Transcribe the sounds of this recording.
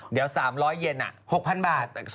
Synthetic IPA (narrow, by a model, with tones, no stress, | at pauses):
di˩˦əwsaː˩˦mɾɔː˦˥jːe˧nʔa̰˨˩ho˨˩k̚pʰa˧nbaː˨˩t̪̚